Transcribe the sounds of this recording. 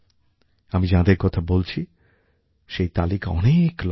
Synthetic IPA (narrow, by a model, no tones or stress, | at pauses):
amid͡ʑãd̪eɾkɔt̪ʰabolt͡ɕʰi | ʃejt̪alikaɔ̰nekl